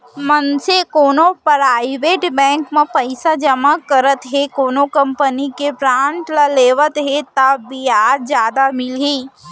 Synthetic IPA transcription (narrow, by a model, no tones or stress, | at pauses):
mənsekoːnõpɾaːɪʋeːʈbɛ̃ːŋkmẽpəɪsad͡ʒəmakɐɾət̪ɦekoːnõkɐ̃mpənikepɾãːɳʈləleːʋət̪ɦet̪abiaːɾd͡ʒjaːd̪amɪlɦiː